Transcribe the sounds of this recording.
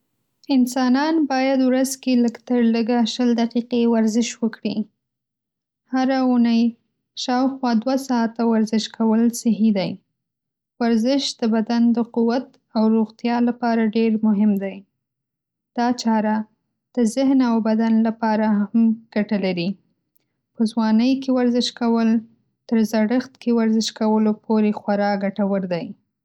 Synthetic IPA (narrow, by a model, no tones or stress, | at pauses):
ɪnsɑnɑnbɑjad̪wɾazkeləkt̪əɾləɡaʃəld̪aqiqewaɾzɪʃwəkɽi | haɾaunaj | ʃɑwxwɑd̪wasɑt̪awaɾzɪʃkʰawəlsɪɦid̪aj | waɾzɪʃd̪̥əbad̪and̪əquwat̪ | awɾoɣt̪jɑlapɑɾaɖeɾmʊɦɪmd̪aj | d̪̥ɑt͡ʃɑɾa | d̪̥əzɪhnawbad̪anlapɑɾahamɡ̥aʈalaɾi | pəzwɑnəjkewaɾzɪʃkawəl | t̪əɾzaɽəxt̪kʰewaɾzɪʃkawəlopʰoɾexwaɾɑɡaʈawəɾd̪aj